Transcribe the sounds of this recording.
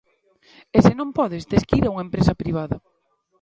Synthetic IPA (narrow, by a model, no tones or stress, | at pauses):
esɪnõmpɔðezd̪eskiɾauŋaempɾesɐpɾiβ̞aðɐ